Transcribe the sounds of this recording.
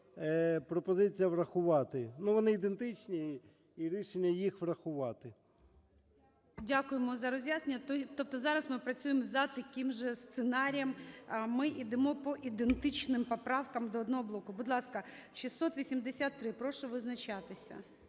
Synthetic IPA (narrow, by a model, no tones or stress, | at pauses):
pɾɔpɔzɪt͡sʲijɐʋrɐxʊʋɑt̪ɪnuʋɔnɪid̪ent̪ɪt͡ʃnʲi | iɾʲiʃenʲːɐjixʋrɐxʊʋɑt̪ɪ | dʲakʊjemɔzɐɾɔzʲjʲaznenʲːɐt̪t̪ɔp̚t̪ɔzɑɾɐsmɪpɾɐt͡sʲujɪmzɐt̪ɐkʲɪmʒɛst̪senɑɾʲijɐmmɪʔid̪ɪmɔpɔʔid̪ent̪ɪt͡ʃnɪmpɔpɾɑwkɐmd̪ɔːd̪nɔɦɔblˠɔkʊbʊd̪lˠɑskɐʃisːɔt̪ʋʲisʲimd̪esʲat̪ːɾɪpɾɔʃɔʋɪznɐt͡ʃat̪ɪsʲɐ̰